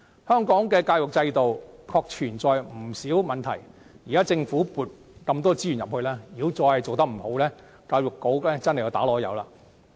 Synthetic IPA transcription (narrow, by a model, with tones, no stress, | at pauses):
hœː˥ŋkɔː˨˥ŋkɛː˧kaː˧wjʊ˨k̚t͡sɐ˧jt̪o˨wkʰɔː˧k̚t͡ʃʰyː˨˩nt͡sɔː˨jm̩˨˩siː˨˥wmɐ˨nt̪ʰɐ˨˩jji˨˩kaː˥t͡sɪ˧ŋfuː˨˥puː˨t̚ | kɐ˧mt̪̬ɔː˥t͡si˥jyː˨˩njɐ˨p̚hɵ˧laː˥jiː˨˧˥wt͡sɔː˧hɐ˨˩jt͡so˨wt̪ɐ˥k̚m̩˨˩ho˨˥wlɛː˥ | kaː˧wjʊ˨˩kːo˨˥wlɛː˥t͡sɐ˥nhjːt̪ːlɔː˨˥jɐ̰˨˧wla̰ː˧